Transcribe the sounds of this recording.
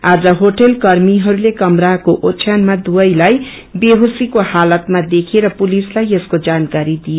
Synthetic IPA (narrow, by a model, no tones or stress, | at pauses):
ad͡zʌɦoʈelkʌrmiɦʌɾulekʌmrakoʔot͡sʰjanmad̪uʌjlaj | beɦosikohalʌt̪mad̪ekʰeɾʌpulislajeskod͡zankaɾid̪ijo